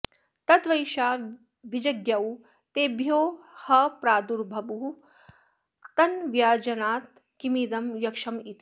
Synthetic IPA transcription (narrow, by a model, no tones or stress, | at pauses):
t̪ɐt̪ʋɐjʃaː | ʋid͡ʒɐɡjɐw | t̪eːbʱjoːhɐpɾaːd̪uɾbʱɐbuu | t̪ɐnʋjaːd͡ʒɐnaːt̪̚ | kimid̪ɐmjɐkʂɐmit̪i